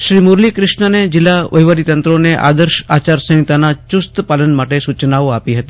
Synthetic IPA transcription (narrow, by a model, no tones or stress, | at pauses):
ʃɾimuɾlikɾɪʃɳəned͡ʒɪlːaʋʔəjʋəɾit̪ə̃nt̪ɾoneʔa̰ːd̪əɾʃa̰ːt͡ʃaɾsə̃ɦĩt̪anat͡ʃʊst̪paːlənmaʈesut͡ʃnaoaːpiɦət̪i